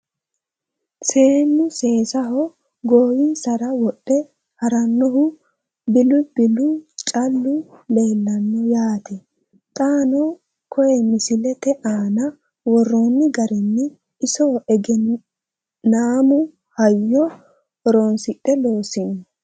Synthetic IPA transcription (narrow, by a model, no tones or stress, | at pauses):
se̞ːnːʊse̞ːsɐɦɔ | ɡoːwisɐɾɐwɔɗːɛ | hɐɾɐnːɔɦʊ | bɪlʊb̥ɪlːʊt͡ʃʼɐlːʊle̞ːlːɐnːɔjaːt̪ɛ | t̪ʼaːnɔ | kɔjɛmɪsɪlɛt̪ɛʔaːnɐ | wɔrːoːnːɪɡɐɾɛnːɪ | ɪsɔʔɛɡɛ | naːmʊ | hɐjːɔ | ɔɾonsɪɗʼːɛloːsɪnːɔ